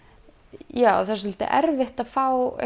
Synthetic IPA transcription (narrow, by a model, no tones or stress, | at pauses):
jaːwθɛs̬ʏlt̪ɪ̰ʔɛɾvɪht̪aðfaːw